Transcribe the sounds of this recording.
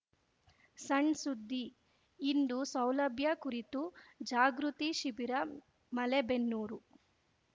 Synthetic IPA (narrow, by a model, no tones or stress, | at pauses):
sɐɳɖsud̪ʱːiː | nd̪usɐwlɐbʱjɐkuɾit̪ud͡ʒaːɡɾut̪iʃibiɾɐ | mɐlebenːuːɾu